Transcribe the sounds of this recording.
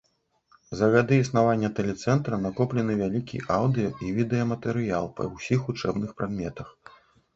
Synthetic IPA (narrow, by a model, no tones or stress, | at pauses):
zɐɣad̪ɨisnavanʲːɐt̪ɛlʲɛt̪sɛnt̪ɾɐnakɔplʲɛnɨvʲalʲikʲḭʔawd̪ɨjɐivʲid̪ɛjɐmɐt̪ɛɾɨjalˠpɐ̰wsʲixut͡ʂɛbnɨxpɾad̪mʲɛt̪ɐx